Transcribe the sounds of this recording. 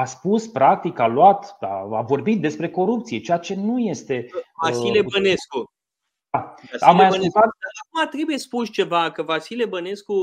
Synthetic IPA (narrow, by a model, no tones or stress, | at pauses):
aspuspɾak̚t̪ikaluat̪d̪a̰avo̞rbit̪̚d̪e̞spɾe̞ko̞ɾup̚t̪sije̞t͡ʃeat͡ʃe̞nuje̞st̪e̞vasilebəne̞sku | d̪aamːajasulzat̪əakumat̪ɾe̞buje̞spuʃt͡ʃe̞vakəvasilebəne̞sku